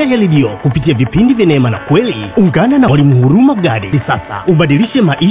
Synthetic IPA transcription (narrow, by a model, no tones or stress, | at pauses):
ajaliɗiɔkupitiavipindivjɛnaɛmana̰kwɛliuŋɡananawalimuhuɾumaɡaɗɛ̰isasa̰uɓaɗiliʃɛmaʔi